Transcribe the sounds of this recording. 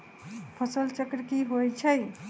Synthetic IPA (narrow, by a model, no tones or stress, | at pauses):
pʰəsəlt͡ʃəkɾkiɦojt͡ʃʰəj